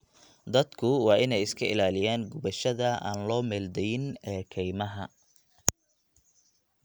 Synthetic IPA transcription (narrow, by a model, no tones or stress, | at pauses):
d̪ɐd̪kʰʊwɑːʔɪnɛjɪskʰɐɪlaːlɪjaːŋɡʊβɐʃɐðɐa̰ːnlɔːmɛːld̪ɛjɪnɛːkʰɛjmɐɦɐ